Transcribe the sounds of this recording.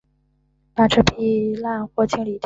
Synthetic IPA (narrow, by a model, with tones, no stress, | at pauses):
pa˨˩ʈ͡ʂʰə˥pʰi˥˩la˥˧nxwɔ˥˩t͡ɕʰi˥ŋli˨˩t̪